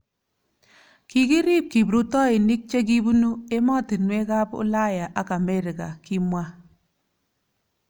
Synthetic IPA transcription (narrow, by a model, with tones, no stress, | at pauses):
ki˦ki˦ɾi˦p̚ki˨bɾu˦tɔ˦i˨nɪ˦k̚t͡ʃe˦k̬i˦bu˦nu˦e˦mɔ˦ti˨nwe˦ka˦pʊ̰˦la˦ja˨ʔa˦ka˨me˦ɾi˨ka̰˨ki˦mwa˦